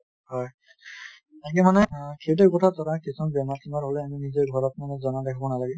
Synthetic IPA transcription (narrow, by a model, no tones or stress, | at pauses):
hɔj | aɡɛmanɛkʰet̬ɛkɔtʰatɔɹakisɔnbɛmatʰimaɹɦolɛaminizɛɹɡʱɔɹɔt̚manɛzɔnadɛkʰabɔnalaɡɛ